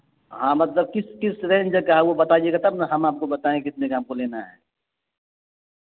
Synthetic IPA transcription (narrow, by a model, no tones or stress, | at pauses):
ɦãːmɐt̪ləb̚kɪskɪsɾẽːnd͡ʒəkaɦawobɐt̪aiekat̪ɐbnɐɦɐmaːp̚kobɐt̪aːẽkɪt̪nekaːmkoleːnaɦɛ̰ː